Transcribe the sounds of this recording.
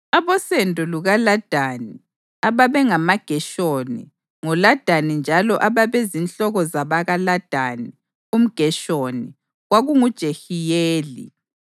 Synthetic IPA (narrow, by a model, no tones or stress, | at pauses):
aβɔsɛntʼɔluɣalad̥ʱani | aβaβɛŋamaɡ̥ʱɛʃonḭ | ŋulad̥ʱanind͡ʒʱalɔʔaβaβezinɬɔɣɔzaβaɣalad̥ʱani | um̩ɡ̥ʱɛʃoni | ɣwaɣuŋud̥ʒ̥ʱexijeːlḭ